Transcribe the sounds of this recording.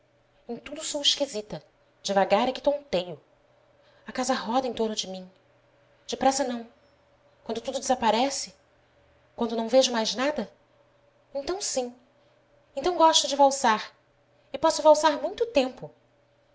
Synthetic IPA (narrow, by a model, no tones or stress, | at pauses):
ẽt̪ud̪ʊsowɪʃkizit̪ɐ | d͡ʒɪvaɡaɾɐkɪt̪õnt̪ejʊ | ɐkazɐɦɔd̪ɐẽj̃t̪oɾnʊd͡ʒɪmĩ | d͡ʒɪpɾɛsɐnɐ̃w̃ | kwɐ̃nd̪ʊt̪ud̪ʊd͡ʒɪzapaɾɛsɪ | kwɐ̃nd̪ʊnɐ̃w̃veʒʊmajznad̪ɐ | ẽnt̪ɐ̃w̃sĩ | ẽt̪ɐ̃w̃ɡɔʃt̪ʊd͡ʒɪvawsaɾ | ɪpɔsʊvawsaɾmũj̃t̪ʊt̪ẽmpʊ